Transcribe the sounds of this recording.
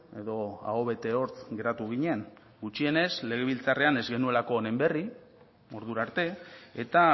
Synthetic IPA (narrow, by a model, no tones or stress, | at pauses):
e̞ðo̞a̰oβe̞t̪e̞o̞ɾt͡sɡe̞ɾat̪uɣ̞iɲe̞ŋ | ɡut͡ʃie̞ne̞zle̞ɣe̞β̞ilt͡sare̞ane̞zɣe̞nue̞lako̞ːne̞mbe̞ri | o̞ɾðuɾaɾt̪e̞et̪a